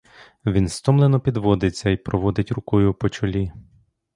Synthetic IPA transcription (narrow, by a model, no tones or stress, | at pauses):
ʋʲinst̪ɔmlˠenɔpʲid̪ʋɔd̪ɪt͡sʲːɐipɾɔʋɔd̪ɪtʲrʊkɔjʊpɔt͡ʃɔlʲi